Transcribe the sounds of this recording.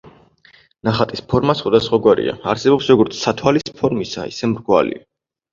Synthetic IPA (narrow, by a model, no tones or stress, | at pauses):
naχat̪ʼispʰɔɾmasχwad̪asχwaɡwaɾḭa̰aɾsɛbɔpsɾɔɡɔɾt̪sʰsat̪ʰwalispʰɔɾmisa̰ḭsɛmɾɡwa̰lḭa